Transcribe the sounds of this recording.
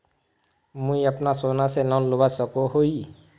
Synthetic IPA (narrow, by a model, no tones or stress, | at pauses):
mũjʌpnasonasenãlubasʌkoɦoj